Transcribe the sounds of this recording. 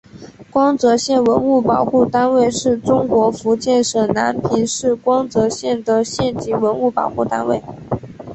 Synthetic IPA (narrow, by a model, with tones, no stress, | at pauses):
kwɑ˥ŋt͡sɤ˧˥ɕjɛ˥˩nwə˧˥nu˥˩pɑ˨˩ʊxu˥˩t̪a˥nwe˥˧ɪʂɻ̩˥˩ʈ͡ʂʊ˥ŋkwɔ˧˥fu˧˥t͡ɕjɛ˥˩nʂɤ˨˩na˧˥npʰi˧˥nʂɻ̩˥˩kwɑ˥ŋt͡sɤ˧˥ɕjɛ˥˩nd̪ə˨˩ɕjɛ˥˩nt͡ɕi˧˥wə˧˥nu˥˩pɑ̰˨˩ʊxu˥˩t̪a̰˥nwe˥˩ɪ